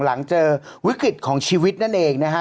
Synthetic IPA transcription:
la˩˦ŋt͡ɕɤː˧wi˦˥kɾi˨˩t̪̚kʰɔː˩˦ŋt͡ɕʰiː˧wi˦˥t̪̚na˥˩nʔeː˧ŋna˦˥kʰa˦˥

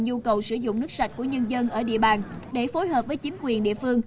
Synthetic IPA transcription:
ɲu˧kə˨˩wsɨ˧˩zʊ̰˧˨ŋ͡mnɨ˦˥k̚sa˨˩t̟̚ku˧˩əɲə˧nzə˧nʔəː˧˩ɗḭ˧˨əɓaː˨˩nɗe˧˩fo˨˦jɦəː˨˩p̚vəː˨˦jt͡ɕi˨˦ŋ̟kwi˨˩ənɗḭ˧˨əfɨ˧əŋ

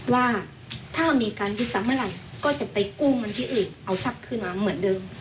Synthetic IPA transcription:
waː˧˩ | t̪ʰaː˥˩miː˧kaː˨njuː˧t̪̚saː˨˦maː˧˨la˨˩jkɔː˧˥˩t͡ɕa˧˩ʔpa˨˩jkuː˧˩˨ŋa˧˨nt̪ʰiː˧ʔɯː˨˩ŋʔa˨˩wsa˧˩p̚kʰɯː˧˩nmaː˧mɯ˩˦əndɤː˧m

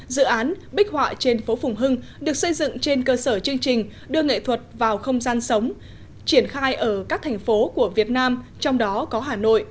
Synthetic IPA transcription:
zɨ̰˧˨ʔaː˨˦n | ɓï˦˥k̚hwa̰ː˧˨t͡ɕe˧nfo˨˦fʊ˨˩wŋ͡mɦɨ˧ŋ | ɗɨ˨˩ək̚sə˧jzɨ̰˧˨ŋt͡ɕe˧nkəː˧səː˧˩t͡ɕɨ˧əŋt͡ɕï˨˩ŋ̟ | ɗɨ˧əŋḛ˧˨t̪ʰwə˨˩t̚vaː˨˩wxə˧wŋ͡mzaː˧nsə˨˦wŋ͡m | t͡ɕi˧˩ənxaː˧jʔəː˧˩kaː˦˥k̚t̪ʰɛ˨˩jŋ̟fo˨˦ku˧˩əvi˨˩ət̚naː˧mt͡ɕɔ˧wŋ͡mɗɔ˨˦kɔ˨˦ɦaː˧˩no̰˧˨jʔ

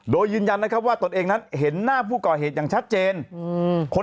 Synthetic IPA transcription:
doː˧jːɯː˧nja˧nːa˦˥kʰa˦˥p̚waː˥˩t̪o˧nʔeː˧ŋna˦˥nɦe˩˦nːaː˥˩pʰuː˥˩kɔː˨˩ɦeː˨˩t̪̚jaː˨˩ŋt͡ɕʰa˦˥t̪̚t͡ɕeː˧nkʰo˧

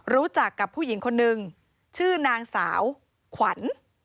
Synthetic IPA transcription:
ɾuː˦˥t͡ɕa˨˩kːa˨˩pʰːuː˥˩ji˩˦ŋkʰo˧nːɯ˨˧ŋ | t͡ɕʰɯː˥˩naː˧ŋsa̰ː˩˦w | kʰwa˩˦n

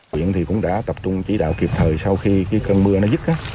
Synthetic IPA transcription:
ḭ˧˨ənt̪ʰi˨˩kʊ̰˧˥ŋ͡mɗa̰ː˧˥t̪ə˨˩p̚t͡ɕʊ˧ŋ͡mt͡ɕi˧˩˦ɗa̰ː˧˨wki˨˩p̚t̪ʰəː˨˩jsa˧wxi˧kaː˨˦jkə˧nmɨ˧ənɔ˨˦zɨ˦˥t̚ʔaː˨˦

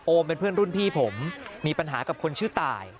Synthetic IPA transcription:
ʔoː˧mpe˧npʰɯ˥˩ənɾu˥˩npʰiː˥˩pʰo˩˦mːiː˧pa˧nɦaː˩˦ka˨˩kʰo˧nt͡ɕʰɯː˥˩t̪a̰ː˨˩j

